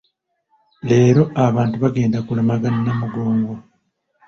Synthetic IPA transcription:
le̞ːɾo̞ʔaβaːntuβaɡe̞ːndakulemaɡanːamuɡo̞ːŋɡo

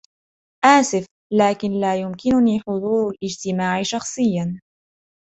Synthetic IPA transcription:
ʔaːsɪf | laːkɪnlaːjʊmkɪnʊniːħʊðˤuːɾalʔɪd͡ʒt̪ɪmaːʕɪʃɑxsˤɨjːan

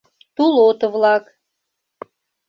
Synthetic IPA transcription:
t̪ulot̪əvlɑk

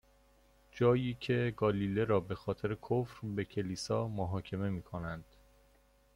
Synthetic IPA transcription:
d͡ʒɒːjiːcʰe̞ɡɒːliːle̞ɾɒːbe̞xɒːt̪ʰe̞ɾe̞kʰofɾbe̞cʰe̞liːsɒːmoɦɒːcʰe̞me̞miːkʰo̞nænd̪̥

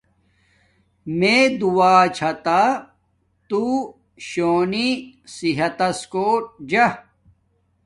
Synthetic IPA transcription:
med̪uwaːt͡ɕʰɐt̪a | t̪u | ɕoːnisiɦɐt̪ɐskoːʈ̚d͡ʑɐ

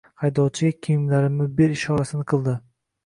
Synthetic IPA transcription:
hajd̪ɒwt͡ʃʰɪɡʲakʲʰijɪmlaɾɪmːɪbeɾɪʃɒɾasɪnɪqʰɨlˠd̪ɪ

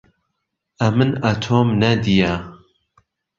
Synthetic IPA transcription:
ʔɐmɨnɐt̪ʰoːmnɐd̪ijɐ

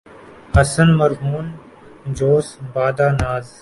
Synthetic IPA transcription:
ɐsənməɾɦuːn | d͡ʒoːsbaːd̪aːnaːz

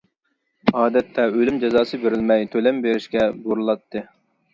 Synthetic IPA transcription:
ɑːd̪ɛt̪ʰːɛølymd͡ʒɛzɑːsɨbeɾɪlmɛjt̪ʰølɛmbeɾɪʃkʲɛboɾulˠɑt̪ʰːɨ

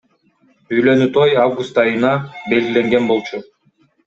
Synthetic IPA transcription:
yjlø̞nyt̪ʰo̞javɡust̪ɑjɯnɑbe̞lɡʲile̞ŋɡe̞nbo̞lˠt͡ʃʰu

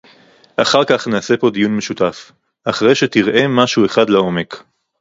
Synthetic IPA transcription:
ʔaχaʁkaχneːse̞po̞d̪ijunme̞ʃutaf | ʔaχʁejʃe̞tiʁʔe̞maʃue̞χadlao̞me̞k

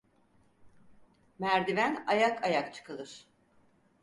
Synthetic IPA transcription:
mæɾd̪ivænajakʰajakt͡ʃʰɯ̥kɯlˠɯɾ̥

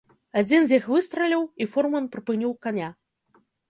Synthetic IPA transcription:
ad͡zʲinzʲjixvɨst̪ɾɐlʲiwifɔrmɐnpɾɨpɨnʲiwkanʲa

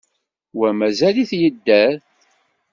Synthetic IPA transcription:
wæmæzæliθjəd̪ːæɾ

